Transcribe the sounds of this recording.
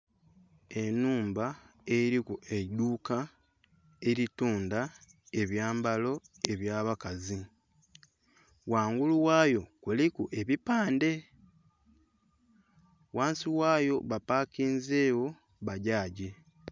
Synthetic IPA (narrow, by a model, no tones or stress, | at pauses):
e̞nuːmba | eɾikue̞duka | e̞ɾituːnda | e̞βjaːmbalo̞ | e̞βjaːβakazi | waːŋɡuluwaːjo̞kulikuʔe̞βipaːnde̞ | waːnsiwaːjo̞βapaːkiːnze̞ːwo̞ | βaɟaːɟi